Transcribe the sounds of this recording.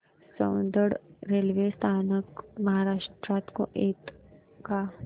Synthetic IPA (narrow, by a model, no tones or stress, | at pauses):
səːnd̪əɽɾeːlʋest̪ʰaːnəkmɐɦaːɾaːʃʈɾaːt̪kõ̰ʔeːt̪ | ka